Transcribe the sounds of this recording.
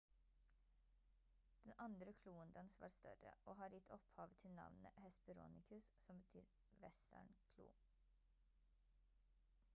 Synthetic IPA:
d̪̥ɛnʔɑnd̪ɾəkʰluːənd̪ɑnsʋɑ̰ːɾst̪œ̰ɾə̰oːhɑːɾjɪt̪ʰɔphɑːʋət̪ʰɪlnɑ̰ʋnnəhɛspəɾṵːnɪkʰʉssɔmbət̪ʰy̰ːɾ | ʋɛst̪æ̰ɳkʰlṵː

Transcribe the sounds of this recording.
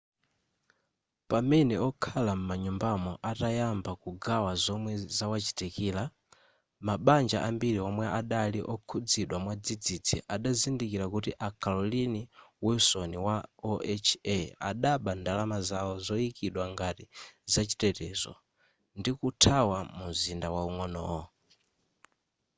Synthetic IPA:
pamɛnɛɔkʰalam̩maɲumbamɔʔatajambakuɡawazɔmwɛzawat͡ʃi̥tikiːla | maɓand͡ʒa̰ʔambiɾiɔmwɛʔaɗaliʔɔkʰud͡ziɗwamwad͡zid͡zitʰḭʔaɗazindikiɾakutiʔakʰalɔliniwɛusɔniwaɔɛt͡ʃʰɛa̰ɗaɓandalamazawɔzɔikiɗwaŋɡatizat͡ʃi̥tɛtɛːzɔ̰ | ndikutʰawamuzindawauŋɔnɔ̰ːwɔ

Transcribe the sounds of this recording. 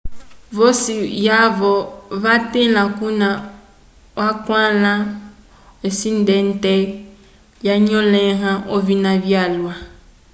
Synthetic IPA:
vosijavɔβatẽlãkunã | wakwãlã | esin̩dɛn̩tɛ | jaɲɔ̃lɛ̃ɦãʔovinãβjalwa

